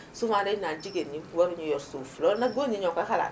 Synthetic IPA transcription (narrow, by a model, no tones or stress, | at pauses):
sumãdɛnad͡ʒiɡenĩwaɾuɲɛjɔɾsofulɔnaɡonĩɲɔ̃kakala̰